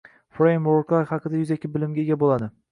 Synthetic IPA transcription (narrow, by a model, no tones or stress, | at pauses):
fɾejmoɾklˠajhɑqʰɨd̪ajʊzekʲːɪbɪlɪmɡʲaɡʲabolad̪ɪ